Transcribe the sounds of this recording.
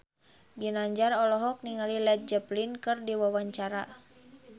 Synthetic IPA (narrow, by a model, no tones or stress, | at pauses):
ɡinaɲd͡ʒarɔlɔɦɔk̚niŋalilɛt̪̚d͡ʒəplinkɨrdiwawaɲt͡ʃaɾa